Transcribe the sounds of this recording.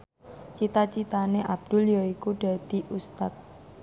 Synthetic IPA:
t͡ʃit̪at͡ʃit̪aneʔab̚d̪̥ṳljɔikuɖ̥a̤d̪̥i̤ʔust̪at̪̚

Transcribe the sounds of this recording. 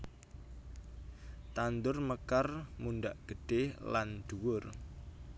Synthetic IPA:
t̪and̪ʊrməkarmunɖaʔɡ̥əɖ̥ela̰nd̪̥uwʊr

